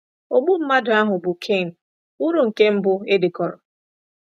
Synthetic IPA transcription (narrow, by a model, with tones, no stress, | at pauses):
o˨ɡ͡bu˦m̩˦ma˦dʊ˨a˦ɦʊ˨bʊ˨kʰe˦˨n̩˨ | u˦ɾu˨ŋ̩˨ke˦m̩˦bʊ˦e˦dɪ˨kɔ˨ɾɔ˨